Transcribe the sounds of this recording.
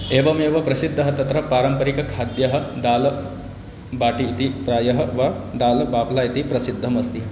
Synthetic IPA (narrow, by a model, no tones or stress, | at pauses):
eːʋɐmeʋɐpɾɐsid̪ʱːɐɦɐt̪ɐt̪ɾɐpaːɾɐmpɐɾikɐkʰaːd̪jɐɦɐ̆d̪aːlɐ | baːʈiːt̪ipɾaːjɐɦɐʋad̪aːlɐbaːplajit̪ipɾɐsid̪ʱːɐmɐst̪i